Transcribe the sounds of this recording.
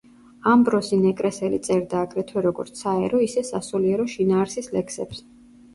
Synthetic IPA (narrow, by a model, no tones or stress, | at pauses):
ambɾɔsinɛkʼɾɛsɛlḭt̪sʼɛɾd̪aːɡɾɛt̪ʰwɛɾɔɡɔ̰ɾt̪sʰaɛ̰ɾɔisɛsasuliɛɾɔʃinaːɾsislɛkʰsɛ̰ps